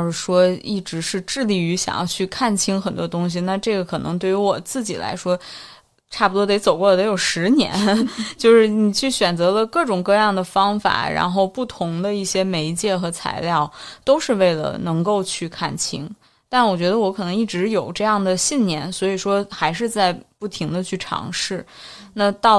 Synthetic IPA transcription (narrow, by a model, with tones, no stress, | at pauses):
ʂɻ̩˥˩ʂwɔ˥i˥˩ʈ͡ʂɻ̩˧˥ʂɻ̩˥˧ʈ͡ʂɻ̩˥˧li˥˩y˧˥ɕjɑ̰˨˩ŋjɑ̰˥˧ʊt͡ɕʰy˥˧kʰa˥˩nt͡ɕʰi˥ŋxə˨˩nt̪wɔ˥t̪ʊ˥ŋɕ̬i˨na˥˧ʈ͡ʂɤ˥˩ɡə˩kʰɤ˨˩nɤ˧˥ŋt̪we˥˩ɪy˧˥wɔ˨˩t͡sɹ̩˥˩t͡ɕḭ˨˩la̰˧˥ɪʂwɔ˥ | ʈ͡ʂʰa˥˩pu˩wɔ˥t̪e˧˥ɪt͡so˨˩ʊkwɔ˥˩la˧˩t̪o˧˥jo˨˩ʊʂɻ̩˧˥njɛ̰˧˥nt͡ɕjo˥˧ʊʂɻ̩˥˩ni˨˩t͡ɕʰy˥˩ɕɥɛ˨˩nt͡sɤ˧˥lə˧kɤ˥˩ʈ͡ʂʊ˨˩ŋkɤ˥˧jɑ˥˩ŋd̪ə˩fɑ˥ŋfa̰˨˩˦ɻa̰˧˥nxo˥˧ʊpu˥˩t̪ʰʊ˧˥ŋd̪ə˧i˥˩ɕjɛ˥me˧˥ɪt͡ɕjɛ˥˩xɤ˧˥t͡sʰa̰˧˥ɪljɑ˥˩ʊt̪o˥ʊʂɻ̩˥˧we˥˩ɪlə̰˩nɤ˧˥ŋko˥˧ʊt͡ɕʰy˥˩kʰa̰˥˩nt͡ɕʰi˧˥ŋ | t̪a˥˩nwɔ˨˩t͡ɕɥɛ˧˥d̪ə˧wɔ˧˥kʰɤ˨˩nɤ˧˥ŋi˥˩ʈ͡ʂɻ̩˧˥jo˨˩ʊʈ͡ʂɤ˥˧jɑ˥˩ŋd̪ə˩ɕi˥˩nnjɛ˧˥nswɔ˧˥i˨˩ʂwɔ˥xa˧˥ɪʂ̬ɻ̩˥˧t͡sa˥˧ɪpu˥˩t̪ʰi˧˥ŋd̪ə˧t͡ɕʰy˥˩ʈ͡ʂʰɑ̰˧˥ŋʂɻ̩˥˩na˥˧t̪ɑ˥˩ʊ